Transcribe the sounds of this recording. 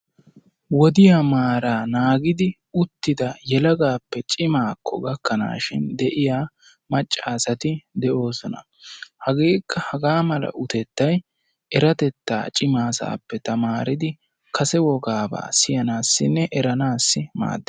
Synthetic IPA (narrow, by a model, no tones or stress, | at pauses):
wɔd̪ɪjamaːɾaːnaːɡɪd̪ɪ | ʊt̪ːɪd̪ɐjɛlɐɡaːpːɛt͡ʃʼɪmaːkʰːɔ̰ɡɐkːɐna̰ːʃɪ̰nd̪ɛʔɪjaː | mɐt͡ʃʼːaːsɐt̪ɪd̪ɛʔo̞ːsɔnɐ̰ | hɐɡeːkːɐhɐɡaːmɐlɐ̰ʔʊt̪ɛt̪ːɐj | ʔɛɾɐt̪ɛt̪ːa̰ːt͡ʃʼɪmaːsa̰ːpːɛt̪ɐmaːɾɪd̪ɪ | kʰɐsɛwɔɡaːba̰ːsɪjɐnaːsːɪnːɛʔɛɾɐnaːsːɪma̰ːd̪ːɛ